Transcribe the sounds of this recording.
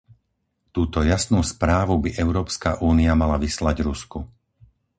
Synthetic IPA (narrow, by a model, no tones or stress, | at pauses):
t̪uːt̪ɔjasnuːspɾaːʋubiʔɛʊɾɔːpska̰ʔuːniamalaʋislaɟɾusku